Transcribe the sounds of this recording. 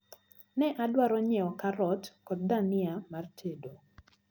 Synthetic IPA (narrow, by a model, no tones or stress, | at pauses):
nɛʔadwaɾɔɲɛɔkaɾɔtkɔt̚danɪamartʰedo